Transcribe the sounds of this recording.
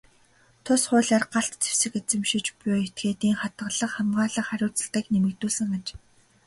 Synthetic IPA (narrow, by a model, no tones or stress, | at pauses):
t̪ʰʊsχʊːɮaːrɢaɬt̪t͡sʰe̥wsɘ̆ket͡sɘ̆mʃit͡ɕpʊjʊet̪̚ɡeːt̪iːŋχat̪̚ɢə̆ɮə̆χχæmɢaːɮə̆χæɾʲʊːt͡sə̆ɮt̪ə̆knemɘ̆kt̪uːsɘ̆ŋat͡ɕ